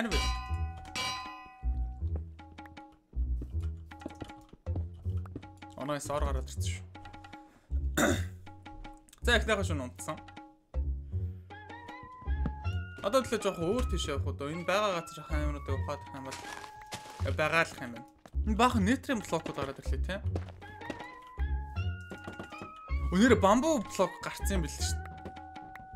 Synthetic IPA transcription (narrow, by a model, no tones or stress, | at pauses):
æɾʲmæ | ɔ̰naːsɔɾʁaɾaːt̪ə̥̆r̥ʰt͡sə̥̆ʃ | t͡saekʲnæːχaːʃ̬unʊn̥t̪sə̆ŋ | ɔt̪ɔːt̪ʰiɮĕt͡ɕpaχoːr̥t̪ʰeʃæw̆χʊːt̪oːenpæːʁaːɢat͡sə̆rχæːnʊnʊːt̪iːkʊχaːt̪ə̥̆χaːmpɔɮ | pæːʁaːrɮə̆χampæːn | enpaːχə̆neːt̪riːmpɮɔːkʊːt̪aɾaːt̪ə̆ɮĕːt̪ʰeː | uneːɾepampʊːpɮɔkɢar̥t͡siːmpiɮɘ̆ʃn